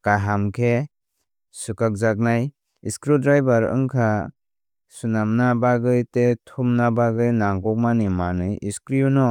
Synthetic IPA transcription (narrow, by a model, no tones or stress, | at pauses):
kaɦamkʰe | sukak̚zak̬̚naj | iskɾidɾajbaɾɯ̰ŋkʰa | sunamnabaɡɯjtetʰumnabaɡɯjnaŋɡɔk̚manimanɯjiskɾijunɔ